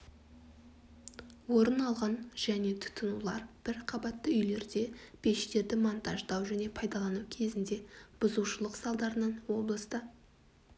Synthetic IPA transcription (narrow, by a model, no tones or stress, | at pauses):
wo̞ɾənɑlˠʁɑnʒ̥æne̞t̪ʰʊ̥t̪ʰːʊnulˠɑɾb̥ɪɾqʰɑbɑt̪ːəʏjle̞ɾd̪e̞b̥ʰe̞ʃt̪e̞ɾd̪ɪmont̪ɑʒd̪ɑwʒæne̞pʰɑjd̪ɑlˠɑnukʲʰe̞zɪnd̪e̞b̥ʊzuwʃəlˠəqsɑlˠd̪ɑɾənəɴwo̞blˠəst̪ə